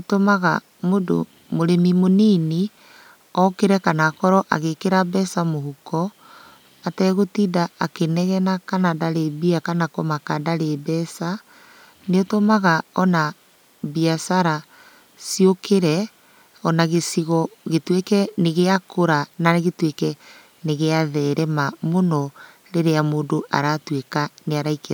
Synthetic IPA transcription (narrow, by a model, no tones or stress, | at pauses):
otomaɣa̰ | modo̰ | moɾemimonini | ɔkeɾɛkanakɔɾɔʔa̰ɣekeɾabɛsamohukɔ | atɛɣotidaakenɛɣɛnakanadaɾeβiakanakɔmakadaɾebɛsa | neɔtomaɣaɔna | biasaɾa | siokeɾɛ | ɔnaɣesiɣɔɣetwekɛneɣeakoɾanaɣetwekɛ | neɣeaðɛːɾɛmamonɔ | ɾeɾeamoːndoʔa̰ɾatwekaneaɾaike